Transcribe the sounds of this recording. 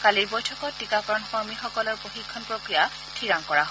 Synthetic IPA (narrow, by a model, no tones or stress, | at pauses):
kaliɹbojtʰɔkɔtːikakɹɔnxɔɹmixɔkɔlɔɹpoxikʰːɔnpɹokɹija | tʰiɹaŋkɔɹaɦ